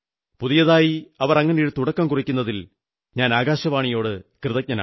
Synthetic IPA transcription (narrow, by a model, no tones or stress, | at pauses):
puðijɐðaːjiɐʋɐrɐŋːɐnejiɽt̪uɽɐkːɐmkurikʲːunːɐðil | ɲaːnaːɡaːɕɐʋaːɳijo̞ːɽɨkrɨðɐk̚ɲɐna̰ː